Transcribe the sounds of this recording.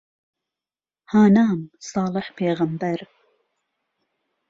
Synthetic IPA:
haːnaːmsɑːlˠɨħpʰeːɣɐmbæɾ

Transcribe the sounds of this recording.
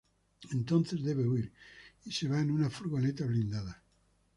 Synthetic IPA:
ent̪õnθezðe̞βeuiɾiseβaenunafuɾɣonet̪aβlĩnd̪aða

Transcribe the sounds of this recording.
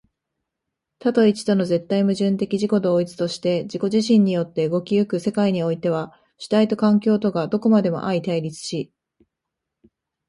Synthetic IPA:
t̪at̪o̞it͡ɕi̥t̪ono̞ze̞t̪ːaimɯ̟ʑɨ̃nt̪e̞kʲiʑiko̞d̪o̞ːit͡sɨ̥t̪o̞ɕi̥t̪e̞d͡ʑiko̞ʑiɕ̬ĩɲ̟ːijo̞t̪ːe̞ɯ̟ɡo̞kʲijɯkɯ̟se̞kaiɲ̟io̞it̪e̞β̞a | ɕi̥t̪ait̪o̞kãŋkʲo̞ːt̪o̞ɡad̪o̞ko̞mad̪e̞mo̞̰ʔait̪aiɾʲit͡sɨ̥ɕi

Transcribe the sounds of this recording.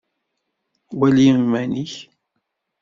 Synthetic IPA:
wæljəmːæniç

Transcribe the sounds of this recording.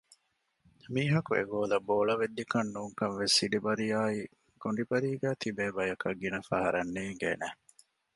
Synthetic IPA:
miːɦɐkuḛɡoːlɐboːɭɐʋed̪ːikɐnːuːŋkɐnʋesiɖibɐɾijaːi | koɳɖibɐɾiːɡæːt̪ibeːbɐjɐkɐɡːinɐfɐɦɐɾɐnːiːŋɡḛːnæ

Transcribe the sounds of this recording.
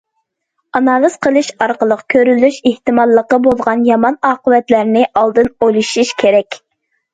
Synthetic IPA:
ɑnɑlˠɨzqəlˠɨʃɑɾqəlˠəqkʲʰøɾylːyʃeht̪ɨmɑlˠːəqəbolˠʁɑnjɑmɑnɑːqəvɛt̪læɾnɪʔɑlˠd̪ɨnojlˠuʃiʃkʲʰeɾɛkʲ

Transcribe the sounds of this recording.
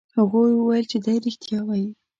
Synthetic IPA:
haɣujwəwajəlt͡ʃed̪ajɾɪxt̪jɑwaji

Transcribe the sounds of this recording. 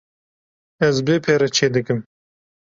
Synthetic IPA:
ɐzbeːpʰeːɾɐt͡ʃʰeːd̪ɨkɨm

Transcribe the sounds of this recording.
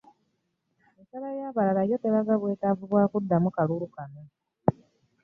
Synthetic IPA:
esalajaːβalalajo̞teβaɡaβwe̞ːtavuβwaːkudːamukalulukano

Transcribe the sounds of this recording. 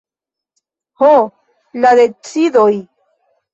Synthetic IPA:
ho | laðet͡sid̪oj

